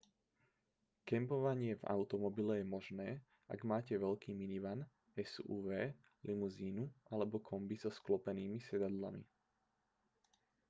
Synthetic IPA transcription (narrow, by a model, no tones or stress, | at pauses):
kɛmpɔʋaɲɪɛva̰ʊt̪ɔmɔbilɛjɛmɔʒnɛː | a̰ɡmaːcɛʋɛʎkiːminiʋan | ɛsuːʋɛː | limuziːnuʔalɛbɔkʰɔmbiz̥ɔsklɔpɛniːmisɛd̪ad̪la̰mḭ